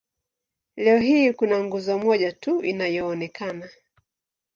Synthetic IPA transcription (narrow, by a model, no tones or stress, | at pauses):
lɛɔɦiːkunaŋɡuzɔmɔʄatuinajɔːnɛkʰana